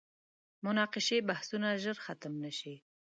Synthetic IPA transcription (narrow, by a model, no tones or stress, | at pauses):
mʊnɑqɪʃebahsunaʒəɾxat̪əmnaʃi